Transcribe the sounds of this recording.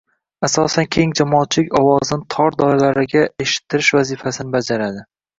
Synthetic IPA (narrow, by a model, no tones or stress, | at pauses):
asɒsankʲʰe̞ŋd͡ʒamɒːt̪̚t͡ʃʰlɪkʲɒwɒzɪnɪt̪ʰɒɾd̪ɒjlaɾɪɡʲae̞ʃɪ̥t̪ʰːɪɾɪʃvazifasɪnɪbad͡ʒaɾad̪ɪ